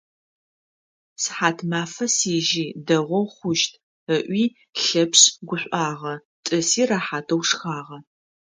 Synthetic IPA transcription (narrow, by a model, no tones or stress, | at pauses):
sħaːtʰmaːfɐsiːʒiːdɐʁʷɔwχʷʊʃtʰ | əʔʷiː | ɬɐpɕɡʷʊɕʷʼaːʁɐ | tʼɨsiːraːħaːtʰɐwʂxaːʁɐ